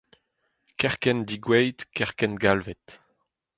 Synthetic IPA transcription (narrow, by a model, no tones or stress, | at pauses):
kɛʁkɛnd̪iɡwɛjt̪kɛʁkɛnɡalvɛt̪